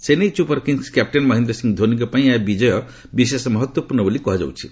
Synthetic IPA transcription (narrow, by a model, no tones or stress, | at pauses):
senejt͡ʃupɔɾkiŋskap̚ʈenmɔɦind̪ɾɔsĩŋɡd̪ʱonikɔpaĩabid͡ʒɔjɔ | bis̬esmɔɦɔt̪wɔpuɾnɔbolikɔɦɔd͡ʒa̰wt͡ʃʰi̥